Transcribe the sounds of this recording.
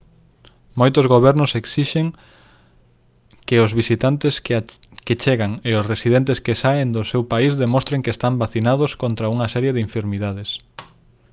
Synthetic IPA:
mojt̪ozɣoβ̞ɛɾnʊseksiʃeŋ | kɪʊzβisit̪ant̪esket͡ʃeɣaŋeʊsresiðent̪eskesaend̪osewpaizðemõst̪ɾeŋkest̪ambaθinaðoskont̪ɾɐuŋɐsɛɾjeðɪĩɱfeɾmiðaðes

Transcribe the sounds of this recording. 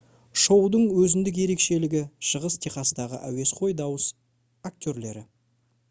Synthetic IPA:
ʃo̞wd̪əɴwɵzɪnd̪ɪk̬je̞ɾe̞kʃe̞lɪɡʲɪʃəʁəst̪ʰeχɑsəd̪ɑʁə̰ʔæ̰we̞sqʰo̞jd̪ɑwəs | ak̚t̪ʰʲoɾle̞̰ɾɪ̰

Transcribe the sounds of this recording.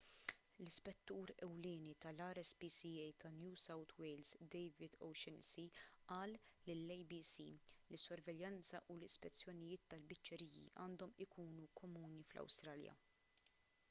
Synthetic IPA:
lɪspɛt̪ːuːɾɛwlɪːnit̪ɐlɐːɾɛsbiːsiɛjt̪ɐnjuːsɐwt̪ʰwɛjlzd̪ɛjvɪd̪ɔ̰wʃɛnsiʔɐːlːɪlːɛjbiːsḭːlɪsːɔɾvɛljɐnt͡sɐʔulɪspɛt͡sːjɔnɪjɪːt̪ːɐlbɪt͡ʃːɛɾiːjḭʔɐːnd̪ɔmɪkuːnukʰɔmuːniflɐ̰wst̪ɾɐːljɐ̰

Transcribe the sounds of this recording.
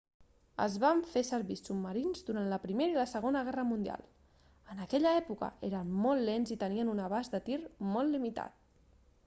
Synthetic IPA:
ə̰zβaɱfesəɾβisubməɾinzðuɾant̪ləpɾimeɾəiləsəɣ̞onəɣɛrəmund̪ia̰lˠ | ənəkɛʎəɛpukə̰eɾənmɔlˠːenzit̪əniənunəβazd̪ət̪irmɔlˠlːimit̪a̰t̪̚

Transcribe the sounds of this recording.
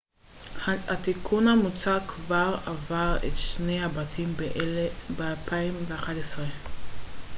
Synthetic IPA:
hatikʰunhamut͡saʁkʰvaʁavaʁḛtʃne̞jhabatʰimbeʔlbealpʰaimveaχadesʁe

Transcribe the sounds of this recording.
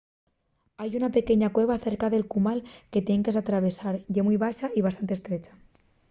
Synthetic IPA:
ajunape̞keɲakwe̞β̞aθeɾkaðe̞lkumalke̞t̪je̞ŋkesat̪ɾaβ̞e̞saɾʝemujβaʃaʔiβast̪ant̪est̪ɾet͡ʃḁ

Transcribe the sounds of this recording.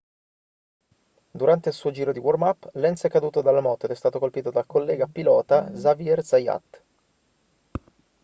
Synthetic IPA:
d̪uɾant̪eilsuːod͡ʒiːɾod̪iwɔrmapːlɛnsɛkːad̪uːt̪od̪alːamɔt̪oed̪ɛst̪aːt̪okolpiːt̪od̪alkolːɛːɡapilɔːt̪azaviɛrzaja̰t̪ː

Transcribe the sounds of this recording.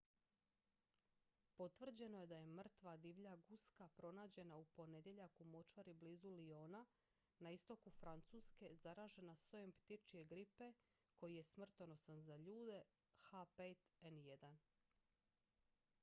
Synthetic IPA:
po̞t̪ʋr̩d͡ʑe̞no̞je̞d̪aje̞mr̩t̪ʋad̪iʋʎaɡuskapɾo̞naːd͡ʑe̞naupo̞ne̞d̪je̞ʎakumo̞t͡ʃaɾibliːzulio̞ːna | naist̪o̞kufɾant̪suːske̞zaɾaːʒe̞nasojempt̪it͡ʃie̞ɡɾipe̞ | ko̞jije̞smr̩t̪ono̞sanzaʎuːd̪e̞ | xapet̪enje̞d̪an

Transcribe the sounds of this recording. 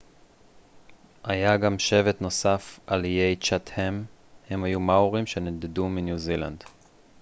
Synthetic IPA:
ajaɡamʃe̞vet̪no̞safʔalijejt͡ʃat̪hem | he̞mhajumauʁimʃe̞ned̪eduminjuzila̰nd

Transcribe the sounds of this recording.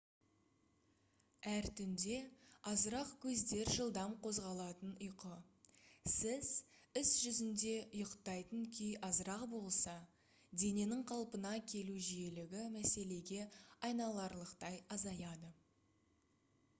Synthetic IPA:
æɾt̪ʰʏnd̪e̞ɑzəɾɑqkʲʰɵzd̪e̞ɾʒəlˠd̪ɑmqʰo̞zʁɑlˠɑt̪ənʊjqə | sɪz̥ɪsʒʏzɪnd̪e̞ʔʊjəqt̪ɑjt̪əŋkʲʰʏjɑzəɾɑqbo̞lˠsɑ | d̪e̞ne̞nɪŋqʰɑlˠpənɑkʲʰe̞luʒije̞lɪɡʲɪmæse̞le̞ɡʲe̞ɑjnɑlˠɑɾlˠəqt̪ɑjɑzɑjɑd̪ə

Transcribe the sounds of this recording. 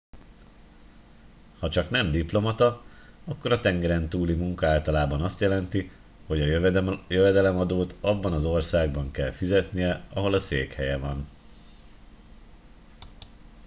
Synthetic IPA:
hɒt͡ʃɒkn̪ɛmd̪iplo̞mɒt̪ɒ | ɒkːo̞ɾɒt̪ɛŋɡɛɾɛnt̪uːlimuŋkɒaːlt̪ɒlaːbɒnɒst̪jɛlɛnt̪i | ho̞ɟɒjøvɛd̪ɛlɛmɒd̪oːt̪ɒbːɒnɒzo̞rsaːɡ̚bɒŋkɛlfizɛt̪nijɛɒɦo̞lɒseːkhɛjɛvɒn

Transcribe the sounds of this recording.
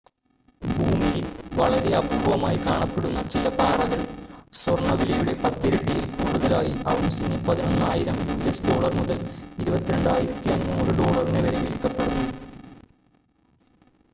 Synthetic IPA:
bʱuːmijilʋɐɭɐɾe̞ɐbʱuːʋɐmaːjikaːɳɐpːe̞ɽunːɐt͡ɕilɐpaːɽɐɣɐɭswɐrɳːɐʋilɐjuɽe̞pɐt̪ːiɾeɳɖijilkuːɽuðɐlaːjiʔɐʋumsinepɐðinonːaːjiɾɐmjuːijɐsɖo̞ːɭɐrmuðɐliɾubɐt̪ːiɾe̞ɳɖaːjiɾɐt̪ːiɐɲːmuːrɨɖo̞ːɭɐrineʋɐɾeʋilkːɐpːe̞ɽunːu

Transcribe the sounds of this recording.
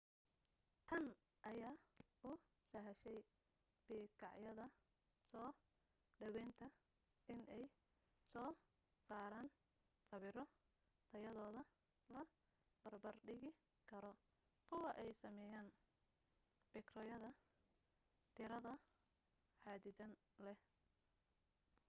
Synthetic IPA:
t̪ʰɐn | ʔɐjaːʔʊ | sɐɦɐʃɛj | b̥iːkʰɑʕjɐðɐ | sɔː | ɖɐwɛːnt̪ʰɐ | ɪnʔɛj | sɔː | saːɾaːn | sɐβɪɾɔ | t̪ʰɐjɐðɔːðɐ | lɐ | bɐrbɐrɖɪɣɪ | kʰɐɾɔ | kʰʊwɑʔɛjsɐmɛːjaːn | b̥ɛkrɔːjɐðɐ | t̪ʰɪɾɐðɐ | ħaːd̪ɪdɐn | lɛ

